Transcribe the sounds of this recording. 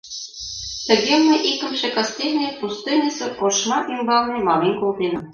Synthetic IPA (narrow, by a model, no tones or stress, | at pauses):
t̪ɘ̆ɡʲemɘʔikɘ̆mʒĕkɑsʲtʲelʲnʲepust̪ɨnʲisɤ̆qoʃmɑʔimbɑlˠnɤmɑmʲinkolˠt̪enɤ̆m